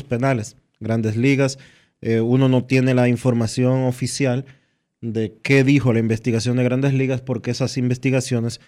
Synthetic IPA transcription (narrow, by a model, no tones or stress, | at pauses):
spe̞nale̞s | ɡɾand̪e̞sliɣas | euno̞no̞t̪je̞ne̞laiɱfo̞ɾmasjo̞ŋo̞fisjal | d̪e̞ke̞ðixo̞laimbe̞st̪iɣasjo̞nd̪eɣɾand̪esliɣaspo̞ɾke̞esasimbe̞st̪iɣasjo̞ne̞s